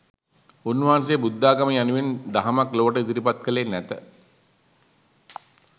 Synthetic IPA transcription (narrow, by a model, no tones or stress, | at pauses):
unːʋɐɦanseːbud̪ːaːɡaməanuʋend̪aɦəmakloːəʈəid̪iɾipat̪kəlenːæt̪ə